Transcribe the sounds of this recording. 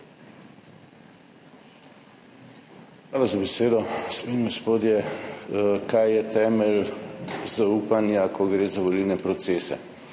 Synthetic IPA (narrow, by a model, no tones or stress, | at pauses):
xʋaːlazabɛseːd̪ɔspinɡospoːd̪jɛ | kajjɛt̪ɛːmɛl | zauːpanjakʰɔɡɾeːzaʋolilnɛpɾɔt̪seːsɛ̰